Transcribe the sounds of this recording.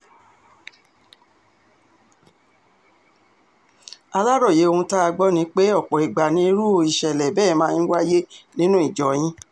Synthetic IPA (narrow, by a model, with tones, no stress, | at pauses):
a˧la˦ɾɔ˦˨je˨˦o˧hũ˧ta˦a˧ɡ͡bɔ˦nĩ˧˦k͡pe˦ɔ˦˨k͡pɔ˨i˨ɡ͡ba˨nĩ˧i˧ɾu˦o˧i˨ʃɛ˨lɛ˨bɛ˦˨˦mãː˧˦ĩ˦wa˦je˦nĩ˦nũ˦i˦˨d͡ʒɔ˨˦j̃ĩ˦